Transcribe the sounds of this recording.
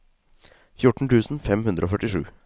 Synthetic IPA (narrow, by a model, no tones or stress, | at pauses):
fjʊʈɳ̩ʈ̪ʰʉːsn̩fɛmhʉnd̪ɾəoːfœʈɪʂʉ̰ː